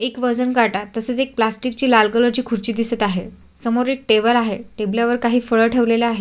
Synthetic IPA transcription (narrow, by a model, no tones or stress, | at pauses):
ekʋəd͡zənkaʈat̪ːəset͡sek̚plasʈikt͡ɕiːlalɡələɾt͡ɕiːkʰuɾt͡ɕiːd̪isət̪aɦe | səmoɾek̚ʈebəlaɦeʈebljaʋəɾkaɦiːfəɭəʈʰeʋlelaaɦe